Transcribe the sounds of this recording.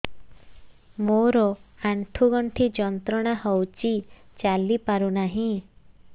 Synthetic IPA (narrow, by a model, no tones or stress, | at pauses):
moɾɔaɳʈʰuɡɔɳʈʰid͡ʒɔnt̪ɾɔɽ̃ahɔwt͡ʃit͡ʃalipaɾunaɦĩ